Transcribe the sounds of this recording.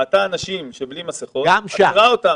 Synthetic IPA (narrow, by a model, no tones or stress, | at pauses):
at̪aːnaʃimʃeblimaseχoɡamʃaʁaot̪a